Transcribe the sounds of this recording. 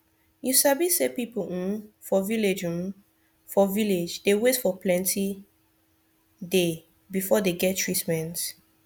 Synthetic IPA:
jusabisepipõmfɔviled͡ʒũm | fɔviled͡ʒdewetfɔplɛ̃ntʰi | de | bifɔdeɡɛt̚tɹitmɛ̃nt

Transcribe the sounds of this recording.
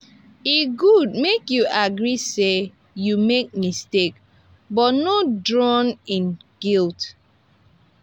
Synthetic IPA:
iɡud̚mekjuʔaɡɹise | jumek̚mistek | bɔnodɹɔ̃nĩnɡ̥ilt

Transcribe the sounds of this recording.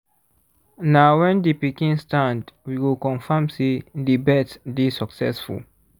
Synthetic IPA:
nawɛ̃ndipikĩnstãndwiwilkɔ̃nfamsedibɛtdisaksɛ̰sfṵl

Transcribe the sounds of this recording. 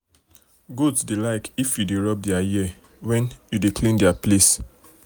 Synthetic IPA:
ɡodsdelaɪkifjudeɹɔp̚dɛaji | wɛ̃njudekʰlĩndɛaples

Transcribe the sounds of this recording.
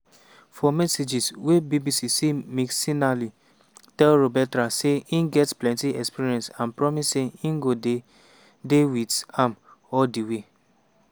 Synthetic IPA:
fɔmɛsed͡ʒiswebibisisimiksinali | tɛlɹobɛtaseĩnɡɛtplɛ̃ntiɛkspiɹiɛ̃nsãnpɹɔmisːeĩnɡode | dewitãmɔldiwe

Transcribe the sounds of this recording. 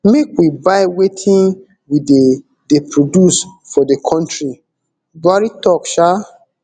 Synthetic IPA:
mekwibaɪwetʰĩn | wide | depʰɹodjus | fɔdekʰɔ̃ntɹi | ɡaɹitɔkʃa

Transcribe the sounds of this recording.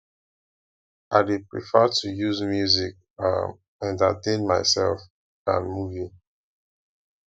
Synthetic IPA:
aɪdepɹḭfɛtʰujuzmjuzik̚ | a̰ | ɛ̃ntə̰tẽnmaɪsɛ̰lf | ã̰nmuvi

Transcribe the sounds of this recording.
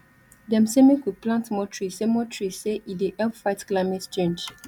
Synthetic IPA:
dɛ̃msẽmẽkud̚plãntmɔtɹisemɔtɹiseʔideʔɛlpfaɪtklaɪmɛtt͡ʃẽnd͡ʒ

